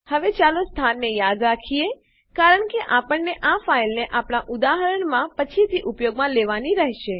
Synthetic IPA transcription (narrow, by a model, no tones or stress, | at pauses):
həʋet͡ʃalost̪ʰanːejad̪ɾakʰije | kaɾəɳkeʔapəɳːeʔafailneʔapɳaʔud̪aɦəɾəɳmãpət͡ʃʰit̪ʰiʔupjoɡmãleʋaniɾəɦʃe